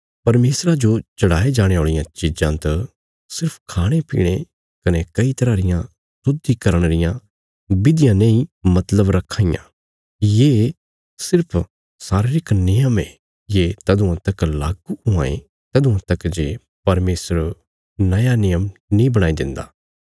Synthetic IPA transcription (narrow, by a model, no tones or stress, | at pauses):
pɐɾmeːsɾad͡ʒot͡ʃɐɽaːed͡ʒaːɽ̃eoːɭɪjãt͡ʃid͡ʒãt̪ɐ | sɪɾpʰkʰaːɽ̃epḭːɽ̃e | kɐnɛkɐit̪ɐɾaːɾɪjã | sʊd̪ikɐɾəɽ̃ɾɪjã | bɪd̪ɪjãnɐ̃ĩmɐt̪ləbɾɐkʰːaːɪjã̰ | jeː | sɪɾpʰ | saːɾeɾɪknɪjəmɛ | jeːt̪ɐd̪ʊ̃ãt̪ɐkla̰ːɡuʊã̰ːḛ | t̪ɐd̪ʊ̃ãt̪ɐkd͡ʒeː | pɐɾmeːsɾ | nɐjanɪjəmnĩbɐɽ̃aːid̪ɪ̃nd̪a̰ː